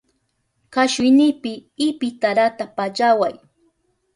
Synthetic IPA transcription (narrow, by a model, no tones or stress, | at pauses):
kaʃʊjnɪpɪɪpɪt̪aɾat̪apat͡ʃawaj